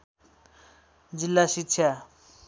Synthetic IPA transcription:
d͡zilːaʃitːɕʰja

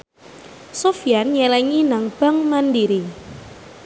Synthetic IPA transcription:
sofijanɲɛlɛŋinaŋb̥a̤ŋmandiɾi

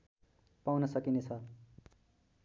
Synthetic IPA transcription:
pawnʌsʌkinet͡sʰʌ

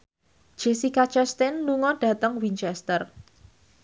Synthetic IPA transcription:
d̥ʒ̥ɛsikat͡ʃɛst̪ɛnluŋɔɖ̥a̤t̪əŋwint͡ʃɛst̪ər

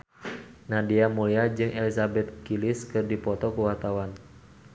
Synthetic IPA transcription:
nadiamuliad͡ʒɨŋʔɛlisabɛt̪̚kiliskɨrdipɔt̪ɔkuwart̪awan

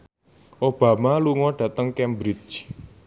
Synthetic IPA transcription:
ʔob̥ä̤maluŋɔɖ̥ä̤t̪əŋkɛmbɾid͡ʒ

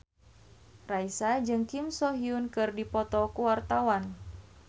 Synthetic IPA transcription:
raisad͡ʒɨŋkimsɔɦiunkɨrdipɔt̪ɔkuwart̪awan

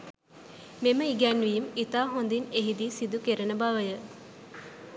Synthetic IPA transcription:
meməiɡænʋijmit̪aːɦond̪ineɦid̪isid̪ukeɾənəbaʋəjə

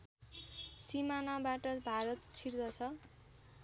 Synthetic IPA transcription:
simanabaʈʌbʱaɾʌt̪t͡sʰird̪ʌt͡sʰʌ

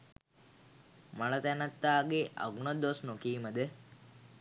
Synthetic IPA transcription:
mɐɭɐt̪ɐnɐt̪ːaːɡeʔɐ̰ɡunod̪osnokiːmɐd̪e

